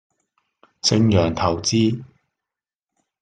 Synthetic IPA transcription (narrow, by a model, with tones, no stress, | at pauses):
t͡sɪ˧ŋjœː˨˩ŋt̪ʰɐ˨˩wt͡siː˥